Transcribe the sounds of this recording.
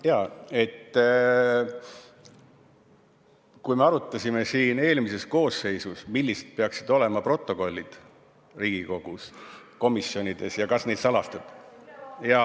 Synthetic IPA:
jɑːe̞t̪ː | kujme̞ɑɾut̪ːˑɑsʲime̞siːne̞ːlmise̞sko̞ːse̞jsusmilːiset̪̚pe̞ɑksid̪̥o̞le̞mɑpro̞t̪ːˑo̞ko̞lʲːid̪̥ | riːɡ̥iko̞ɡ̥usko̞misjo̞nid̪e̞sjɑkɑsne̞ːd̪sɑlɑst̪ɑd̪̥ | jɑ

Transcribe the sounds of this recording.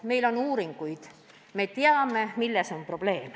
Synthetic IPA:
me̞jlo̞nuːɾiŋɡ̥ujd̪̥ | me̞t̪eɑme̞milːeso̞mpro̞b̥le̞ːm

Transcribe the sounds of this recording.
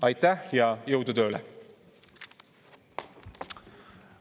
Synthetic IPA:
ɑjt̪æhjɑjowd̪ut̪øːlɛ̰

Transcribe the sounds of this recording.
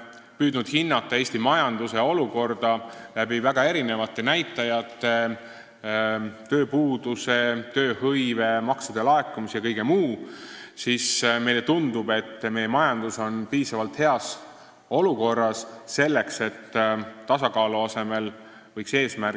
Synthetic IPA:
pyːd̪nud̪̥hinːɑt̪ˑːɑe̞ːsʲt̪imɑjɑnd̪̥use̞o̞luko̞rd̪̥ɑlæbivæɡ̥ɑe̞ɾine̞vɑt̪ːˑe̞næjt̪ːˑɑjɑt̪ːˑe | t̪ø̞ːpuːd̪use̞t̪ø̞ːhɤjve̞mɑksɑd̪̥e̞lɑe̞kːumisjɑkɤjɡ̥e̞muːsisme̞jle̞t̪und̪̥ube̞t̪ːme̞jemɑjɑnd̪̥uso̞npiːsɑvɑlt̪he̞ɑs | o̞luko̞rːɑsse̞lːe̞kse̞t̪ːɑsɑkɑːluɑse̞me̞l | vɤjkse̞ːsmær

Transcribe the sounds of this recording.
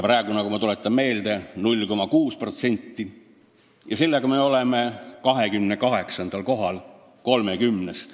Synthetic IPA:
pɾæˑeɡunɑkumɑt̪ulet̪ˑːɑmme̞ːld̪e̞nulʲːko̞mɑkuːspro̞t̪se̞nʲt̪ːi | jɑselːeɡ̥ɑmeo̞leme̞kɑɦe̞kymnekɑɦe̞ksɑnd̪̥ɑlko̞ɦɑl | ko̞lmekymnest̪

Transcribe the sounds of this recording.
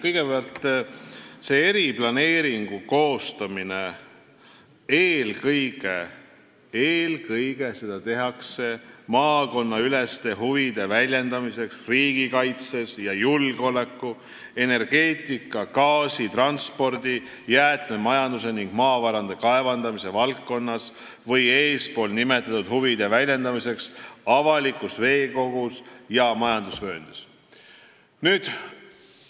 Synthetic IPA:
kɤjɡ̥epeɑlt̪ː | se̞eɾiplɑne̞ːɾiŋɡ̥uko̞ːst̪ɑmine | eːlkɤjɡ̥e | eːlkɤjɡ̥e̞se̞d̪̥ɑt̪e̞ɦɑkse̞mɑːko̞nːɑylest̪e̞ɦuvid̪̥e̞vælʲjend̪ɑmise̞ksriːɡ̥ikɑjt̪se̞sjɑjulɡ̥o̞le̞kːˑu | e̞ne̞rɡ̥e̞ːt̪ˑikːˑɑkɑːsit̪rɑnspo̞rd̪i | jæːt̪ˑmemɑjɑnd̪̥use̞niŋɡ̥mɑːvɑɾɑnd̪̥e̞kɑe̞vɑnd̪̥ɑmise̞vɑltːo̞nːɑs | vɤjeːspo̞ːlnime̞t̪ːˑɑt̪ːud̪̥huvid̪̥e̞vælʲːe̞nd̪ɑmise̞ksɑvɑlikˑusve̞ːko̞ɡ̥usjɑmɑjɑnd̪̥usvø̞ːnd̪̥es | nyːd̪̥

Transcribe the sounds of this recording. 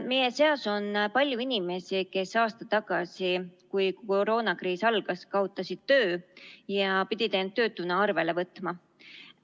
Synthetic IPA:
mejeseɑso̞npɑlʲjuinime̞sike̞sɑːst̪ɑt̪ɑɡ̥ɑsikujkoɾo̞ːnɑkriːsɑlɡ̥ɑskɑot̪ːˑɑsid̪̥̚t̪ø̞ːjɑpid̪̥ʲit̪ent̪ːø̞ːt̪ːˑunɑɑrve̞le̞vɤt̪ːˑmɑ

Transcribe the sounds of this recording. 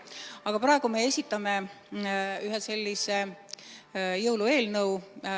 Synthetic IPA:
ɑɡ̥ɑpɾɑˑe̞ɡ̥ume̞e̞sʲit̪ːˑɑme̞ | yɦese̞lʲːise | jɤwlue̞ːlnɤw

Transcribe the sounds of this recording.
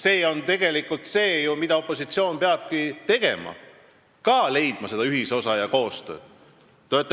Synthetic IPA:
se̞ːo̞nt̪e̞ɡ̥e̞likːˑult̪se̞ːjumid̪̥ɑo̞pːˑo̞sit̪sio̞ːnpeɑb̥̚kit̪e̞ɡ̥e̞̰mɑ̰ | kɑːle̞jd̪̥̚mɑse̞d̪̥ɑyɦiso̞sɑjɑko̞ːst̪ø̞̰̥ː | t̪ːøt̪ː

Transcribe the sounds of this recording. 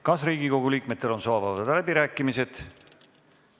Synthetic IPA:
kɑsriːɡiko̞ɡ̥uliːk̚me̞t̪ːe̞lo̞nsɑːvɑvɑd̪læbiɾæːkːˑimise̞t̪

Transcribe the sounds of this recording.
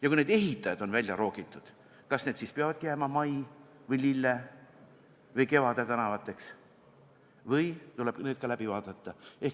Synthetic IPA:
jɑkune̞ːd̪e̞ɦit̪ːˑɑjɑd̪̥o̞nvælʲjɑɾo̞ːɡ̥it̪ːˑud̪̥ | kɑsne̞ːd̪siːspeɑvɑd̪̥kæmɑmɑjvɤjlilːe | vɤjke̞vɑd̪̥et̪ænɑvɑt̪ːˑe̞ks | vɤjt̪uleb̥neːd̪̥̚kɑlæb̥ivɑːd̪̥ɑt̪ːˑɑe̞h

